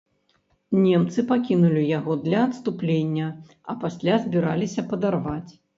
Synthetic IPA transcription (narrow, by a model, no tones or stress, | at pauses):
nʲɛmt̪sɨpakʲinulʲijaɣɔd̪lʲɐːt̪st̪uplʲenʲːɐ | ɐ̰pasʲlʲazʲbʲiɾalʲisʲɐpɐd̪arvat͡sʲ